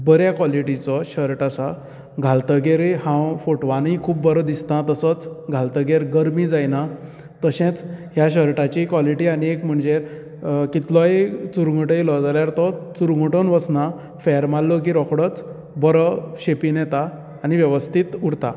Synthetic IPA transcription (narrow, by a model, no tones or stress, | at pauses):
bəɾjakʋɔliʈit͡sɔɕəɾʈasa | ɡʱalt̪əɡeɾehãwfoʈʋanĩkʰuːbbəɾɔd̪ist̪ãt̪əsɔt͡sɡʱalt̪əɡeɾɡəɾmid͡zajna | t̪əɕẽt͡sɦjaɕəɾʈat͡ɕikʋɔliʈianiekm̤əɳd͡ze | kit̪lɔet͡suɾɡəʈəjlɔd͡zaljaɾt̪ɔt͡suɾɡuʈonʋəsna | fɛɾmalːɔk̬iɾɔkɽɔt͡s | bəɾɔɕepinɛt̪aː | ñiʋjəʋəst̪ʰit̪uɽt̪a